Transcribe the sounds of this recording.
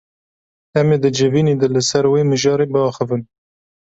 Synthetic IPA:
ɛmeːd̪ɨd͡ʒɨviːneːd̪ɐlɨsɛɾweːmɨʒɑːɾeːbɨɑːxɨvɨn

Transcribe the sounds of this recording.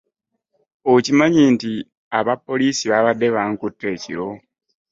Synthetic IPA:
ocimaɲiːnti | aβapːo̞liːsiβaβadːe̞βaŋkutːe̞ːcḭɾo̞

